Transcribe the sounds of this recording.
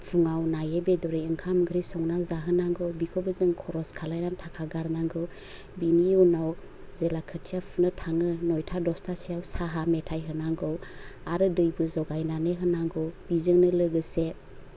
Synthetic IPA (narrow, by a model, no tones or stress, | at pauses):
pʰuŋawnajebedɔɾijɯŋkʰamɡʰɯɾisɔŋnazaɦɯnaŋɡɯwbikʰɔbɯzɯŋkʰɔɾɔskʰalajnantʰakʰaɡaɾnaŋɡɯw | biniunaw | zelakʰɯtʰijapʰunɯtʰaŋɯnɔjtʰadɔstʰasijawsaɦametʰajɦɯnaŋɡɯwaɾɯdɯjbɯzɔɡajnanɯɦɯnaŋɡɯwb̥izɯŋnɯlɯɡɯse